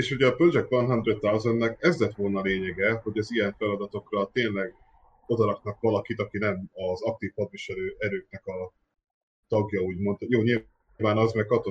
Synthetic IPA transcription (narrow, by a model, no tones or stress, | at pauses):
eːʃuɟɛːpøld͡ʒɛkvɒnɦɒnd̪ɾet̪alzonːɛkɛzlɛt̪ʋo̞lnɒleːɲɛɡɛho̞ɟɒzijɛɱfɛlɒd̪ɒt̪o̞krɒt̪eːnlɛɡ | o̞d̪ɒɾɒknɒkʋɒlɒkit̪ɒkinɛmɒzɒk̚t̪iːfhɒd̪viʃɛløːʔɛɾøːknɛkɒ | t̪ɒɡjɒuːɟmo̞nt̪joːɲil | vaːnɒzmɛkkɒt̪o